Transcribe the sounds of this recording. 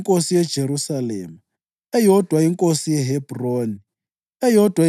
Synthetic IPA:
ŋkʼosijɛd̥ʒ̥ʱeɾusalɛ̰ːma | ɛjɔd̥ʱwaiŋkʼosijɛɦɛbroːni | ɛjɔd̥ʱwa

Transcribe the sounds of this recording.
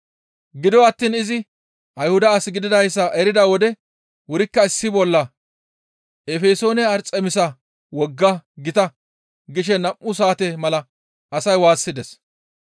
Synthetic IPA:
ɡɪd̪ɔɐt̪ːiːnɪzɪ | ʔɐjhʊd̪ɐːsɪɡɪd̪ɪd̪ɐjsːɐʔɛɾɪd̪ɐwɔd̪ɛ | wʊɾɪkːɐɪsːɪbɔlːɐ | ɛfeːso̞ːnɛɐɾt͡sʼɛmɪsɐ | wɔɡːɐɡɪt̪ɐ | ɡɪʃ̬ɛnɐmʔːʊs̬aːt̪ɛmɐlɐ | ɐsɐjwaːsːɪd̪ɛs

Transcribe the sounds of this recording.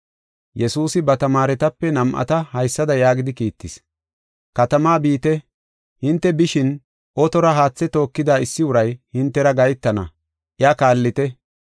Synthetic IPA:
jɛsuːsɪbɐt̪ɐmaːɾɛt̪ɐpːɛnɐmʔɐ̰t̪ɐhɐjsːɐd̪ɐjaːɡɪd̪ɪkiːt̪ːɪs | kɐt̪ɐmaːbiːt̪ɛ | hɪnt̪ːɛbɪʃɪn | ʔɔt̪ɔɾɐɦaːt͡sːɛt̪o̞ːkːɪd̪aːɪsːɪʊɾɐjhɪnt̪ːɛɾɐɡɐjt̪ːɐnɐ̰ | ʔɪjɐkaːlːɪt̪ɛ

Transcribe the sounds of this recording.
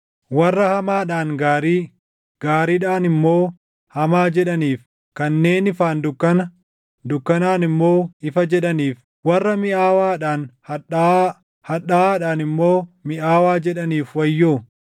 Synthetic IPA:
wɐrːɐhɐmaːᶑaːŋɡaːɾiː | ɡ̥aːɾiːᶑaːnɪmːo̞ː | hɐmaːd͡ʒɛᶑɐniːf | kɐnːe̞ːnɪfaːnd̪ʊkːɐnɐ | d̪ʊkːɐnaːnɪmːo̞ːɪfɐd͡ʒɛᶑɐniːf | wɐrːɐmɪʔaːwaːᶑaːn | hɐᶑaaːᶑaːnɪmːo̞ːmɪʔaːwaːd͡ʒɛᶑɐniːfwɐjːoː

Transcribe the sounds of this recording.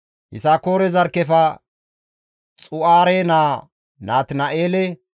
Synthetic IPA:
hɪ̰sakoːɾɛzɐɾkːɛfɐ | t͡sʼʊʔaːɾenaː | naːt̪nɐʔeːlɛ

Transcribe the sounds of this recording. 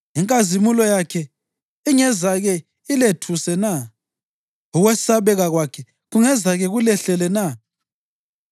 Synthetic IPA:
iŋkʼazimulɔjakʰɛ | iŋɛzaɣɛ | iletʰusɛna | uɣwɛsaβɛɣaɣwakʰɛ | ɣuŋɛzaɣɛɣulɛɬɛlɛna

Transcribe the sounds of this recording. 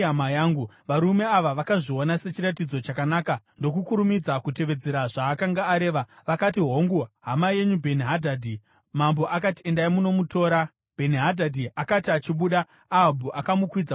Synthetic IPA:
amajaːŋɡu | ʋaɾume̞aʋaʋakaʐio̞nase̞t͡ʃiɾat̬id͡zo̞t͡ʃakanaːkando̞kukuɾumid͡zakute̞ʋe̞d͡ze̞ɾaʐaːkaŋɡaːɾe̞ːʋaʋakat̬iɦo̞ŋɡuɦamaje̞ɲubʱe̞niɦadʱadʱi | mambo̞ʔakatie̞ndaimuno̞muto̞ːɾa | b̥ʱe̞niɦadʱadʱiakatiat͡ʃiɓuːɗaː | ɦabʱuʔakamukwid͡za

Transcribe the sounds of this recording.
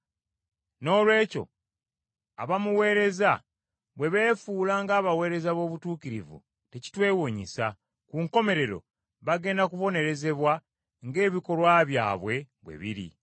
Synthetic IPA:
no̞ːlwe̞ːco̞̰ | a̰βamuwe̞ːɾe̞za | βwe̞βe̞ːfuːlaŋɡaːβawe̞ːɾe̞zaβo̞ːβutuːkiɾḭvṵ | teci̥twe̞ːwoɲisa̰ | kuŋko̞me̞ɾe̞ɾo̞̰ | βaɡe̞ːndakuβo̞ne̞ɾe̞ze̞βwa | ŋɡe̞ːβiko̞lwaːβja̰ːβwe̞βwe̞̰βḭɾḭ

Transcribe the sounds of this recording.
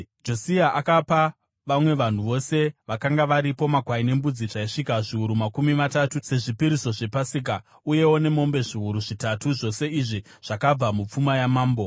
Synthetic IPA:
d͡ʒo̞siaʔakapa | ʋamwe̞ʋan̤uʋo̞se̞ʋakaŋɡaʋaɾipo̞maɡʱwaine̞mbud͡ziʐaiʂikaʐiuɾumakumimatatuse̞ʐipiɾiso̞ʐe̞pasik̬a | uje̞wo̞ne̞mo̞mbe̞ʐiuɾuʐitatuʐo̞se̞iʐi | ʐ̥akab͡vamup͡fumajamaːmbo

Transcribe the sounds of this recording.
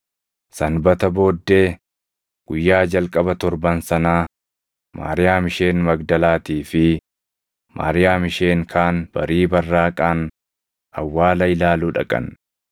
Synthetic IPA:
sɐnbɐt̪ɐbo̞ːd̪ːe̞ː | ɡ̥ʊjːaːd͡ʒɐlkʼɐbɐt̪ɔɾbɐnsɐnaː | ma̰ːɾɪjaːmɪʃe̞ːnmɐɡd̪ɐlaːt̪iːfɪ | mʔa̰ːɾɪjaːmɪʃe̞ːŋkʰaːnb̥ɐ̰ɾiːbɐrːaːkʼaːn | ɐwːaːlɐɪlaːluːᶑɐ̰kʼɐ̰n

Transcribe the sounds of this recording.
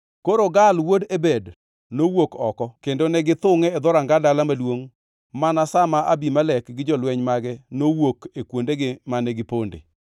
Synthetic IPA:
koɾoɡalwodebed | nowokɔkɔkendonɛɡɪt̪ʊŋɛːd̪ɔɾaŋɡadalamalwoŋ | manasamaʔabimalɛkɡɪd͡ʒɔlwɛɲmaɡɛnowokekwondeɡɪmanɛɡɪpondḛ

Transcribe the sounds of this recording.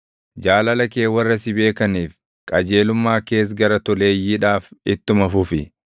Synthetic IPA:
d͡ʒaːlɐlɐke̞ːwɐrːɐsɪbe̞ːkɐniːf | kʼɐd͡ʒe̞ːlʊmːaːke̞ːs̬ɡɐɾɐt̪ɔle̞ːjːɪᶑaːfɪt̪ːʊmɐfʊfɪ

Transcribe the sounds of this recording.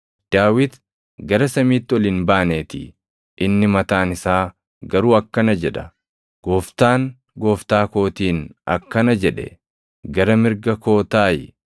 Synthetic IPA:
d̪̥aːwɪt̪ | ɡɐɾɐsɐmiːt̪ːɪɔlɪnbaːneːt̪ɪ̰ | ʔɪnːɪmɐt̪aːnɪsaː | ɡɐɾuːɐkːɐnɐd͡ʒɛᶑɐ | ɡ̥oːft̪aːŋ | ɡo̞ːft̪aːko̞ːt̪iːnɐ̰kːɐnɐd͡ʒɛᶑɛ̰ | ɡɐɾɐmɪɾɡɐko̞ːt̪aːjɪ̰

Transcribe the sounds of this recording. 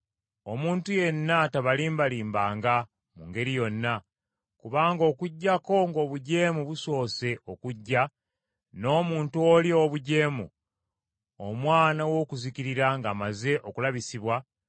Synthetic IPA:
o̞muːntuje̞nːataβaliːmbaliːmbaːŋɡa | muŋɡe̞ɾijo̞nːa | kuβaːŋɡo̞ːkuɟːako̞ŋɡo̞ːβuɟe̞ːmuβuso̞ːse̞ʔo̞kuɟːa | no̞ːmuːntuolio̞βuɟe̞ːmṵ | o̰mwaːnawo̞ːkuziciɾiɾaŋɡaːmaze̞ʔo̞kulaβisiβwa

